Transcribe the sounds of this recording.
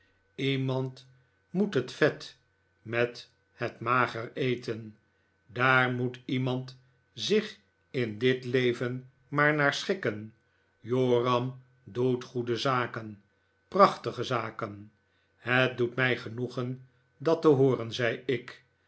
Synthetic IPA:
imɑnt | mutɦətfɛt | mɛt | hətmaːχərejtən | daːɹmutimɑnt | zɪχ | ɪndɪtlejvən | maːɹnaːɹsχɪkən | joːrɑm | dutχudəzaːkən | prɑχtəχəzaːkən | hət̚dutmɛjχənuχən | dɑtəɦʊːɾənzɛjɪk

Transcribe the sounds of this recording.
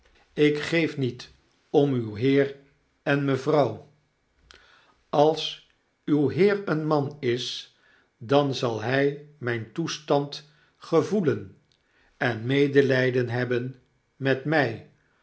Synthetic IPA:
ɪkχejfnit | ɔmywɦɪːr | ɛnməvrɑw | ɑlˠs | ywɦɪːrənmɑnɪs | dɑnzɑlˠɦɛjmɛjntustɑnt | χəvulən | ɛnmejdəlɛjdənɦɛbən | mɛtmɛj

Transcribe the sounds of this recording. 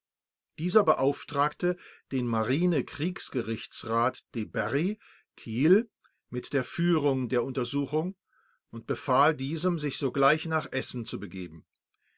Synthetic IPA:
d̥iːzɐbəʔaʊftʁ̥aːktəd̥eːnmaʁiːnəkʁ̥iːksɡ̥əʁɪçt͡sʁaːtd̥ebɛʁi | kʰiːl | mɪtd̥eːɐfyːʁʊŋdeːɐʊntɐzuːxʊŋ | ʊntb̥əfaːldiːzəmzɪçz̥oːɡlaɪçnaːχʔɛsn̩t͡subəɡḛːbm̩

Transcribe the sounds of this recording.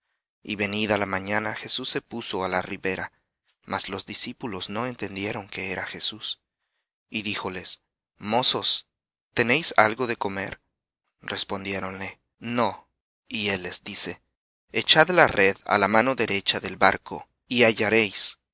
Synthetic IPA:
ḭβe̞niðalamãɲanaxe̞susːe̞puso̞alariβe̞ɾa | mʔazlo̞zðisipulo̞zno̞e̞nt̪e̞nd̪je̞ɾo̞ŋke̞eɾaxe̞sus | iðixo̞le̞s | mo̞so̞s | t̪e̞ne̞jsa̰lɣo̞ðe̞ko̞me̞̰ɾ | re̞spo̞nd̪je̞ɾo̞nle̞ | no̞ | ie̞lːe̞zd̪ise̞ | et͡ʃaðlare̞ða̰lamano̞ðe̞ɾe̞t͡ʃaðe̞lbaɾkʰo̞̰ | iaʝaɾe̞js

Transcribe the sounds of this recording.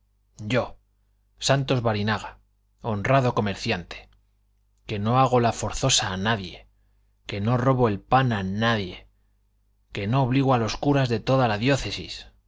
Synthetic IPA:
ɟ͡ʝo̞ | sant̪o̞zβaɾinaɣa | o̞nraðo̞ko̞me̞ɾθjant̪e̥ | ke̞no̞aɣ̞o̞lafo̞ɾθo̞saːnaðje̞ | ke̞no̞ro̞βo̞e̞lpananaðje̞ | ke̞no̞ːβliɣ̞oalo̞skuɾazðe̞t̪o̞ðalaðjo̞θe̞sḭs

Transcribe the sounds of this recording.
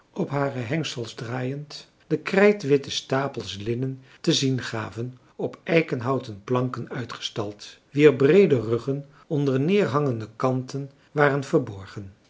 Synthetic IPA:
ɔpɦaːrəɦɛŋsəlˠzdraːjənt | d̥əkrɛjtʋɪtəstaːpəlˠslɪnən | təzinχaːvən | ɔpɛjkənɦɑwtənplɑŋkənœɥtχə̥stɑlˠtʋiːɹbrejdərɵχən | ɔndəɹnɪːɹɦɑŋəndəkɑntən | ʋaːrənvəɹbɔɹχən

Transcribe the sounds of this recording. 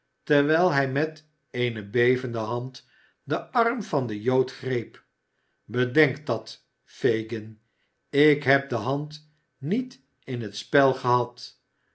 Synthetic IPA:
təʁʋɛjlˠɦɛjmɛt | ejnəbejvəndəɦɑnt | dəɑrmvɑndəjowtχrejp | bədɛŋkdɑt | fejɡən | ɪkɦɛp̚dəɦɑnt | nit | ɪnɦətspɛlˠχəɦɑt

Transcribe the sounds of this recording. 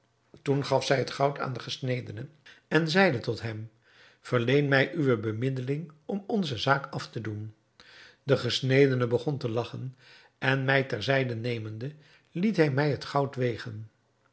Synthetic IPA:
tunχɑfsɛjɦətχɑwtʰa̰ːndəχəsnejdənəɛnzɛjdətɔtɦɛm | v̥əɹlejnmɛjʔyʋəbəmɪdəlɪŋɔmɔnzəzaːkɑftədun | dəχəsnejdənəbəχɔntəlɑχən | ʔɛnmɛjtɛɹzɛjdənejməndə | litɦɛjmɛjɦətχɑwtʋejχən

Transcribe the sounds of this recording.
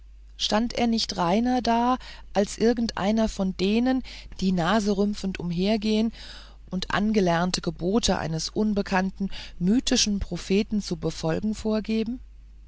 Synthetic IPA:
ʃtantʔḛːɐnɪçtʁaɪnɐdaːʔalsʔɪɐɡŋ̩tʔa̰ɪnɐfɔndeːnənd̥iːnaːzəʁʏmfn̩tʊmɦeːɐɡeːən | ʔʊntʔa̰nɡəlɛɐntʰəɡəboːtʰəʔa̰ɪnəsʔʊnbəkʰantn̩myːtɪʃn̩pʁ̥ofeːtn̩t͡subəfɔlɡŋ̩foːɐɡeːbm̩

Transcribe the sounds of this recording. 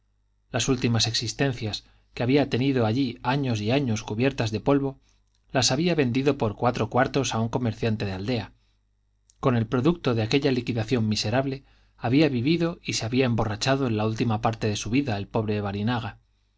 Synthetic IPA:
lasult̪imase̞ksist̪e̞nθjas | keaβiat̪e̞niðoaʎiaɲo̞siaɲo̞skuβje̞ɾt̪azðe̞po̞lβo̞ | lasaβ̞iaβe̞nd̪iðo̞po̞ɾkwat̪ɾo̞kwaɾt̪o̞sauŋko̞me̞ɾθjant̪e̞ðeald̪e̞a | ko̞ne̞lpɾo̞ðuk̚t̪o̞ðe̞ake̞ʎalikiðaθjo̞mːise̞ɾaβle̞ | aβiaβiβiðo̞iseaβiae̞mbo̞rat͡ʃaðo̞e̞nlault̪imapaɾt̪e̞ðe̞suβiðaelpo̞β̞ɾe̞βaɾinaɣ̞a

